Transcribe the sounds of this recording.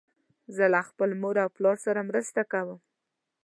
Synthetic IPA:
zəlaxpəlmoɾawplɑɾsaɾamɾəst̪akawəm

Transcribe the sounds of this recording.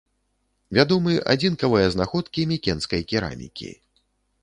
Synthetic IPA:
vʲad̪ɔmɨʔa̰d͡zʲinkɐvɨjɐznaxɔt̪kʲimʲikʲɛnskɐjkʲiɾa̰mʲḭkʲḭ

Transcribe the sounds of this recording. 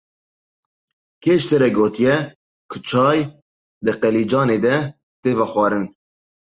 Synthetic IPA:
kʰeːʃt̪ɨɾɛɡoːt̪ijɛ | kʰʊt͡ʃʰɑːj | d̪ɨqɛliːd͡ʒɑːneːd̪ɛ | t̪eːvɑxwɑːɾɨn

